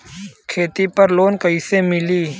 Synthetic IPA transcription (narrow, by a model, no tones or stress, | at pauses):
kʰeːt̪ipɐɾloːnkəisemɪliː